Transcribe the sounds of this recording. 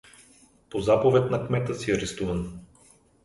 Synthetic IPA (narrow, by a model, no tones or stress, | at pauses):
pozapovɛt̪nɐkmɛt̪əsiɐɾɛst̪uvɐn